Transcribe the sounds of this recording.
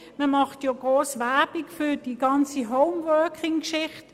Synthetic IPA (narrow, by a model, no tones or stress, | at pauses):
məmɑχtjɔɡ̥ʁoːsʋæb̥ikfyd̥iɡɑnt͡siɦɔʊmwœːkʰɪŋkʃɪχt